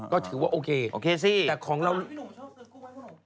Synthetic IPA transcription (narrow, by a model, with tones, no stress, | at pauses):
kɔː˥˩t̪ʰɯː˩˦waː˥˩ʔoː˧kʰeː˧ʔo˧kʰe˧si˥˩ɛː˨˩kʰɔː˨˩˦ŋɾa˧w